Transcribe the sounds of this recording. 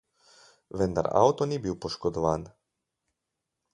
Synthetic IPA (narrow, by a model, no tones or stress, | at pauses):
ʋɛnd̪a̰ɾa̰wt̪ɔnibiwpɔʃkɔd̪ɔʋaːn